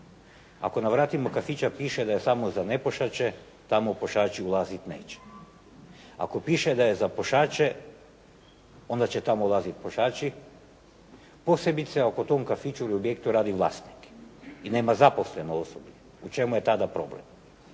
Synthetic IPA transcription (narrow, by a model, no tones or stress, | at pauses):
a̰ko̞naʋɾaːt̪imo̞kafit͡ʃapiːʃed̪ajesamozane̞poʃat͡ʃe | t̪amopo̞ʃaːt͡ʃiulˠazit̪ne̞̰ːt͡ɕe̥ | a̰ko̞piːʃed̪ajezapo̞ʃaːt͡ʃe | o̞nd̪at͡ɕet̪amoulˠaːzit̪poʃaːt͡ʃi | po̞se̞bit̪seoko̞t̪omkafit͡ʃuɾiobjekt̪uɾaːd̪iʋlˠa̰st̪ni̥kine̞ːmazaposle̞noosoble | ut͡ʃe̞mujet̪ad̪apɾo̞̰blḛm